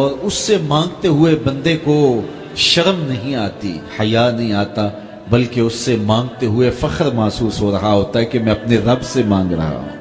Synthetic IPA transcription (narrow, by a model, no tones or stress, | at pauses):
ɔːɾʊsːemãːŋɡt̪eɦʊebɐ̃nd̪eko | ʃɐɾmnɐɦĩaːt̪ḭhɐjanɐɦĩaːt̪a | bɐlkeʊsːemãːŋɡt̪eɦʊefɐxəɾmaːsuːsɦoɾɐɦaɦoːt̪aɦɛkemɛ̃ɐpneɾɐbsemãːŋɡɾɐ̰ɦa̰ɦṵ̃ː